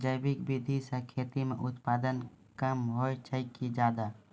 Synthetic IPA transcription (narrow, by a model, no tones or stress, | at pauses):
d͡ʒəjbɪkbid̪ʱisẽkʰeːt̪imeʔʊt̪paːd̪ən | kəmɦojt͡ʃʰəjkid͡ʒaːd̪a